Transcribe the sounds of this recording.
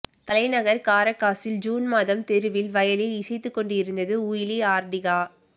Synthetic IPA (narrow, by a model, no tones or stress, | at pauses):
t̪ɐlɐɪnɐɣɐɾkaːɾɐkːaːsɪld͡ʒuːnmaːðɐmt̪ɛɾɯʋɪlʋɐjɐlɪlɪsɐɪt̪ːɯkːɔɳɖɪɾɯnd̪ɐðɯuːjɪliaːɾɖɪɣaː